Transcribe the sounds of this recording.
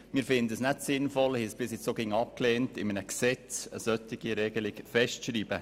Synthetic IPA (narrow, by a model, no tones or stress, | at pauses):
mɪːɾfɪnd̪əəsnætsɪnfɔlhisb̥ɪsɪt͡ssoːɡɪŋɑp̚kleːntɪmənəksɛt͡sə̰sœtɪɡ̥iɾɛɡ̥əlɪkfɛstʃɾiːb̥ə